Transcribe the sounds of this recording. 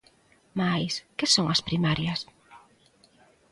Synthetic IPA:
majskɪsõŋɐspɾimaɾjɐs

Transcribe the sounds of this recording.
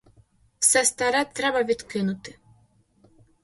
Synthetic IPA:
wsɛst̪aɾɛt̪ɾɛbɐvʲid̪kɪnʊt̪ɪ

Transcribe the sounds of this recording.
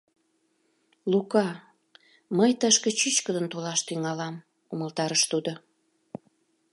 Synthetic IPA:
lukɑ | məjt̪əʃkə̆t͡ɕyt͡ɕkəd̪ənt̪olɑʃt̪yŋɑlɑm | uməlt̪ɑɾəʃt̪ud̪o

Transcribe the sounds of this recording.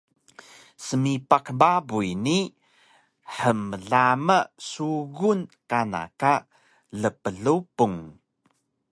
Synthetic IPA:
səmipakəmbabuini | ħəməɮaməsuɣunkana̰ka | ɮəpəɮupuŋ

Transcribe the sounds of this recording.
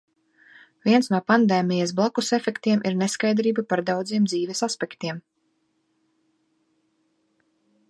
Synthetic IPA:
vʲiɛnsnuɔpand̪eːmʲijas̬blˠakusefɛkt̪iɛmʔiɾneskajd̪ɾiːbapaɾd̪awd̪ziɛmd̪ziːvʲɛsaspɛkt̪iɛm

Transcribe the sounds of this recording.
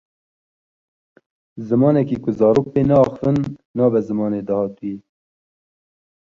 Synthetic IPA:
zɨmɑːnɛkiːkʊzɑːɾoːk̚peːnɛɑxfɨnːɑːbɛzɨmɑːneːd̪ɑhɑːt̪uwi

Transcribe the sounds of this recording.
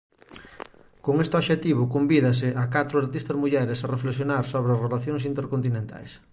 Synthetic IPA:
koŋest̪ɪoβʃet̪iβʊkombiðɐs̬ɪʔakat̪ɾʊaɾt̪ist̪ɐzmuʎɛɾɪsɐrefleksjonaɾsoβɾɪɐzrelaθjoŋs̬int̪eɾkont̪inẽnt̪a̰js

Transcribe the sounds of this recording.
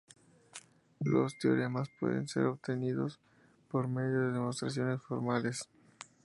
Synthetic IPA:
lost̪o̰lemaspwḛðe̞̰nse̞̰ɾobt̪eniðo̞s | po̞ɾme̞ðjo̞ðeðemost̪ɾasjo̞ne̞sfoɾmales

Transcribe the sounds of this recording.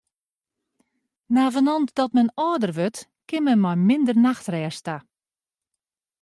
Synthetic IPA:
naːvənɔntdɔtmɛnɔːdərʋøt | kɪnmɛnmɔjmɪndərnaxtrɛːsta

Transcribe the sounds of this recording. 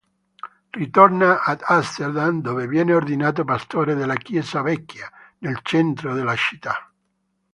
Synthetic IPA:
rit̪ornaʔad̪ast̪eɾd̪and̪ovevjɛːneord̪inaːt̪̬opast̪oːɾed̪elakjɛːsavɛkːja | nelt͡ʃɛnt̪ɾoðelat͡ʃi̥t̪ːa

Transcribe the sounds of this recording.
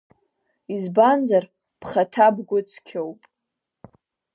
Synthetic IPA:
izbanzar | pʰχatʰabɡʷʊt͡sʰkʲʰowpʼ

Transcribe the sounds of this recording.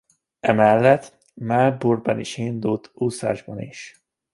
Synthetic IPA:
ɛmɛlːɛt̪ | malburbɒniʃind̪ult̪ʰusa̰ːʒbɒnḭʃ

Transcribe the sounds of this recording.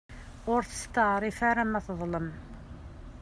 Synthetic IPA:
ʊɾθə̥st̪əʕɾˤifæɾamːæθðˤləm

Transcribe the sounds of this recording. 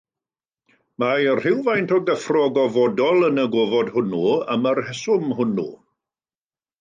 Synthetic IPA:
majərr̥ɪwvajntʰɔɡəfrɔɡɔvɔdɔlˠənəɡoːvɔdhʊnuəmərhɛsʊmɦʊnṵ

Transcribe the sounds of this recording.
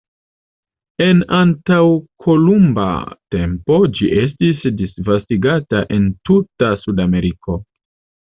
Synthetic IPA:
e̞nantawkʰo̞lumba̰te̞mpo̞d͡ʒiʔe̞stisdisvastiɡataʔe̞ntutasudame̞ɾiko̞

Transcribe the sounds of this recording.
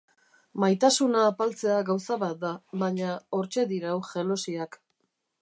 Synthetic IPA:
majt̪asunaːpalt͡se̞aɣawsaβat̪̚d̪aβaɲao̞ɾt͡ʃe̞ðiɾawʝe̞losiak

